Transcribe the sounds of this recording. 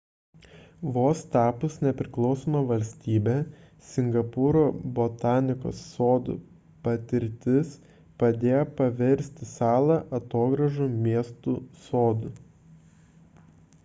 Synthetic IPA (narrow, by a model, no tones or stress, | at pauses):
ʋoːst̪ɑːpʊsnʲɛpʲɾʲɪklˠɒʊsoːmɐʋɐlʲsʲt̪ʲiːbʲe | sʲɪŋɡɐpʊːɾoːbot̪ɑːnʲɪko̰ːsːoːd̪ʊ̰ | pɐt̪ʲɪɾʲt̪ʲɪs | pɐd̪ʲeːjopɐʋʲɛɾʲsʲt̪ʲɪsɑːlˠɐʔɐt̪oːɡɾɐʒumʲiɛst̪usoːd̪ʊ